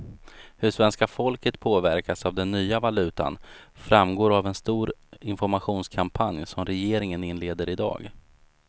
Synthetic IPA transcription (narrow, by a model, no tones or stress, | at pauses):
hɵʂvɛnskafɔlkət̪pʰoːvæɾkasavd̪ɛnːyːavalʉ̟ːt̪a̰nfɾamɡoːɾavɛnst̪uːɾɪnfɔɾmaɧuːnskʰampʰanjsɔmɾɛjeːɾɪŋənɪnleːd̪əɾɪd̪ɑ̰ːɡ